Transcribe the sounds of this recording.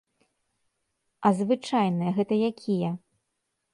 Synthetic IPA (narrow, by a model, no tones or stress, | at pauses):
ɐzvɨt͡ʂajnɨjɐɣɛt̪ɐjakʲʰijɐ